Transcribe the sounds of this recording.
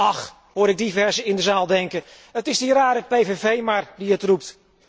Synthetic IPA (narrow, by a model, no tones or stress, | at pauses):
ɑχ | ɦʊːɾɪɡ̚divɛɹzəɪndəzaːlˠdɛŋkə | ətɪzdiraːɾəpejvevejmaːɹdiətrup̚t